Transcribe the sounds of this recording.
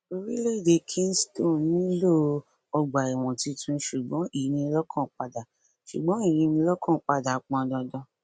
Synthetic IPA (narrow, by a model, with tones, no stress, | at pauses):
o˦ɾi˦le˦˨de˨˧kʰĩ˦n˦stõ˦˨nĩ˦lo˦˨ | ɔ˧ɡ͡ba˨i˨w̃ɔ̃˨ti˧tʰũ˧˦ʃu˨ɡ͡bɔ̃˨˦i˦˨i˨˧nĩ˧˦lɔ˦kʰɔ̃˦˨k͡pa˧da˨ | ʃṵ˨ɡ͡bɔ̃˨˦i˦˨jĩ˧nĩ˧˦lɔ˦kɔ̃˦˨k͡pa˧da˨k͡pɔ̃˧dɔ̃˧dɔ̃˧